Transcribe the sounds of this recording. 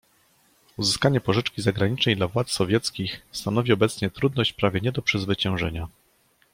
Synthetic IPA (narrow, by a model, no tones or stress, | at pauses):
uzɘskaɲɛpɔʐɘt͡ʂkʲizaɡɾaɲit͡ʂnɛjd̪lavwat̪ssɔvʲjɛt̪skʲixst̪anɔvʲiɔbɛt̪sɲɛt̪ɾud̪nɔɕt͡ɕpɾavʲjɛɲɛd̪ɔpʂɘzvɘt͡ɕɛ̃w̃ʐɛɲa